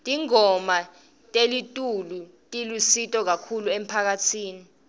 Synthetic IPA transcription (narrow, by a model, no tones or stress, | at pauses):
tʼiŋɔma | tʼelitʼulu | tʼilusitʼɔk̬akʰuluem̩pʰak̬atʰiːni